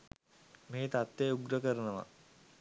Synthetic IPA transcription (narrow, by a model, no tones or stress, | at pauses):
meːt̪at̪jeuɡɾəkəɾɐnɐʋa̰